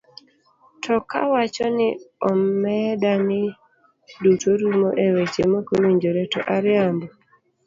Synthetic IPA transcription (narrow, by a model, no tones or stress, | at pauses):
tʰɔka̰wat͡ʃɔnɪɔɛdanɪ | dutoɾumoʔewet͡ʃemokoliɲd͡ʒoɾetɔ̰ʔaɾɪambɔ